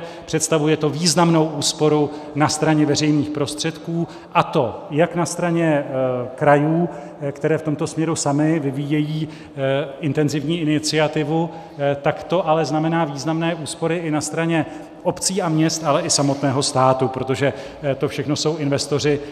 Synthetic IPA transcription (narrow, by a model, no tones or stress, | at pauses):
pr̝̥ɛt̪st̪avujɛt̪o̞viːznamno̞wʔuːspo̞ɾu | nast̪ɾaɲɛvɛr̝ɛjniːxpɾo̞st̪r̥ɛt̪kuː | ʔat̪o̞jaknast̪ɾaɲɛkɾajuː | kt̪ɛɾɛːft̪o̞mt̪o̞smɲɛɾusamɪvɪvijɛjiː | ɪnt̪ɛnzɪvɲiːɪnɪt͡sɪat̪ɪvu | t̪akt̪o̞ʔalɛznamɛnaːviːznamnɛːʔuːspo̞ɾɪʔɪnast̪ɾaɲɛ | ʔo̞pt͡siːʔamɲɛst̪alɛʔɪsamo̞t̪nɛːɦo̞st̪aːt̪upɾo̞t̪o̞ʒɛ | t̪o̞fʃɛxno̞so̞wɪnvɛst̪o̞r̝ɪ